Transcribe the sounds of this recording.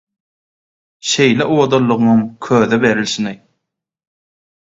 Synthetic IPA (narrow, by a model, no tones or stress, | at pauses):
ʃe̞jleʔuod̪olˠːuʁɯnuŋkʰøːðebeɾilʃini